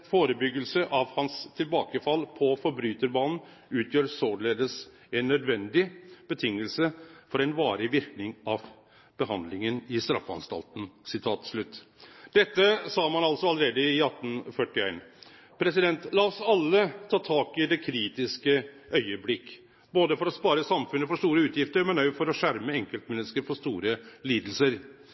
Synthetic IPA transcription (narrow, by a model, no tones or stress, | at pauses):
foːɾəbʏɡəlsəʔɑʋhɑnst̪ʰɪlbɑːkəfɑlːpʰɔfɔɾbɾʉːt̪əɾbɑːnn̩ | ʉːt̪ʰjøːɾsoːɖɭeːd̪əs | ɛnːœd̪ʋɛnd̪ɪb̥ət̪ʰɪŋːəlsəfɔɾɛnʋɑːɾɪʋɪɾknɪŋɑʋ | b̥əɦɑnd̪lɪŋənɪst̪ɾɑ̰fɑ̰nst̪ɑ̰lt̪n̩sɪt̪ʰɑːt̪ʂlʉt̪ːd̪̥ɛt̪ːəsɑːmɑnɑlsɔɑləɾeːd̪əɪɑt̪ːn̩fœʈɪæ̰ɪn | pʰɾɛsɪd̪ɛnt̪lɑːɔsɑlːət̪ʰɑːt̪ʰɑːkɪd̪ɛkʰɾiːt̪ɪskə | ʔœʏəblɪkː | boːd̪əfɔɾɔspɑːɾəsɑmfʉnːəfɔʂt̪uːɾəʉːt̪jɪft̪əɾmɛnɑʊfɔɾɔʂæɾməɛŋkəlt̪mɛnːəskəɾfɔʂt̪uːɾəliːd̪l̩səɾ